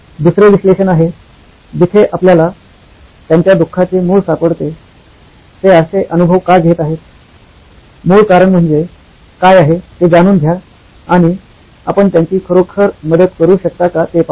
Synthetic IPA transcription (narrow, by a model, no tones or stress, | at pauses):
d̪usɾeʋiɕleɕənaɦe | d͡ʑit̪ʰeʔapljala | t̪jaɲt͡ɕjad̪ukʰːat͡semuːɭsapəɽt̪e | t̪eəseʔənubʱəʋkajɡʱet̪aɦet̪̚ | muːɭkaɾəɳm̤əɳd͡ze | kajaɦet̪ed͡zaɽ̃uːnɡ̪ʱja | aɽ̃i | a̰pəɳt̪jaɲt͡ɕiːkʰəɾokʰəɾməd̪əd̪kəɾuːɕək̚t̪akat̪epa